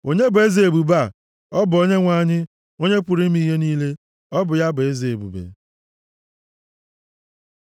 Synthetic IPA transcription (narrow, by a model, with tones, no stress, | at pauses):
o˨ɲe˦be˦zi˨e˨bu˨ba˦˨ | ɔ˦bʊ˨o˦ɲe˦ŋʷa˦˨ɲɪ˦ | o˦ɲe˦pu˨ɾi˦m̩˦i˦ɦe˦niː˦le˦ | ɔ˦bʊ˨ja˦bʊ˨e˦ze˨e˨bṵ˨bḛ˨